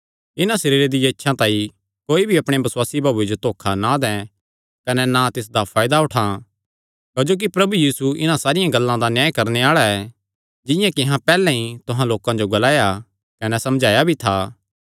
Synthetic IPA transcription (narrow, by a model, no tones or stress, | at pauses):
ɪnãʃɐɾiːɾed̪ɪjãɪtːʃʰãt̪ãːĩ | koːibʱiɐpɽ̃ebɐsʊwaːsibʱaːbued͡ʒot̪oːkʰanad̪ɛ̃ | kɐnɛnat̪ɪs̬d̪apʰaːjd̪aʊʈʰa | kɐd͡ʒoːk̬ipɾɐbujiːsuɪnãsaːɾɪjãɡɐlːãd̪anjaːjkɐɾneaːɭaɛ | d͡ʒɪ̃jãkɪ̃ɦãpɛːlɛ̃ɦĩt̪ʊɦãloːkãd͡ʒoɡɐlaːja | kɐnɛsɐmd͡ʒʱaːjabʱit̪ʰaː